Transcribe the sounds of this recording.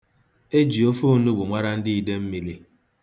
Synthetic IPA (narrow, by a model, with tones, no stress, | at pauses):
e˦d͡ʒi˨o˦fu˦nu˦ɡ͡bʷʊ˨ŋʷa˦ɾa˦n̩˦di˦i˨de˦m̩˦mi˨li˦